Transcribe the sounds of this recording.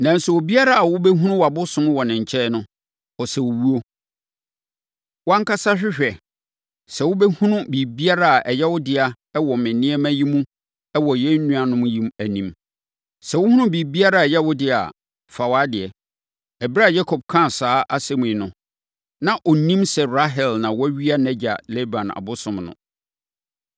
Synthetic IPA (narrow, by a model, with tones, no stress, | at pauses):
nã˨n˦sɛ˨o˨bi˦a˦ɾa˦a˨wʊ˦bɛ˦ɦũ˦nʊ̃˦wa˨bʊ˦sʊ̃˦nʊ̃˦wɔ˨nɪ̃˨ɲ̩˨t͡ɕʰɛ˦nʊ̃˦ | ɔ˨sɛ˨wo˨wu˦o˦ | wã˦ŋ˦kʰa˦sa˦ɕᶣɪ˦ɕᶣɛ˨ | sɛ˨wʊ˦bɛ˦hũ˦nʊ̃˦bi˨bi˦a˦ɾa˦a˨ʔɛ˨jɛ˦wʊ˦dɪ˦a˨ | ɛ˦wɔ˨mɪ̃˨nɪ̃˦ɛ˦mæ̃˦ji˦mũ˦ | ɛ˦wɔ˨jɛ˦n̩˦nũ˦a˨nʊ̃˦m̃˦ji˦mæ˨nĩ˨m | sɛ˨wʊ˦hũ˦nʊ̃˦bi˨bi˦a˦ɾa˦˨ɛ˨jɛ˦wʊ˦dɪ˦˨a̰˨ | fa˨wa˦dɪ˨ɛ˨ | ɛ˨bɾa˦˨ja˦kʰɔ˨b̚kʰã˦˨saː˨˦ʔa˦sɛ˦mũ˨i˨nʊ̃˨ | nã˨ʔɔ˨nĩ˦msɛ˨ɾa˦ɦɛ˨lnã˨wɔ˦æ˦ɥi˦a˦nɛ̃˦d͡ʑa̰˨lɛ˦bã˨na̰˨bʊ˦sʊ̃˨mnʊ̰̃˨